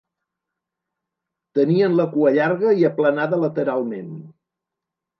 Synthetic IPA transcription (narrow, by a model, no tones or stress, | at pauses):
t̪əniənləkuəʎaɾɣəiəplənaðələt̪əɾalˠmen